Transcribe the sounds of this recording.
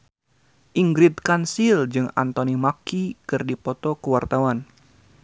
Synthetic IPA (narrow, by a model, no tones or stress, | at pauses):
ʔiŋɡɾit̪̚kansild͡ʒɨŋa̰nt̪ɔnimakikɨrdipɔt̪ɔkəwart̪awan